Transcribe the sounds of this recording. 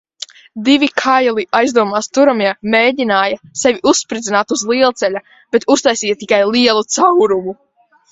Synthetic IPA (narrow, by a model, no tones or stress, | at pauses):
d̪ivikʰajlˠiajzd̪uɔmaːst̪uɾamiɛmeːɟinaːjasɛviʔusːpɾid̪zinaːt̪uzlˠiɛlˠt̪sɛʎʲa | b̥ɛt̪ust̪ajsiːjat̪ikajlˠiɛlˠut̪sawɾumu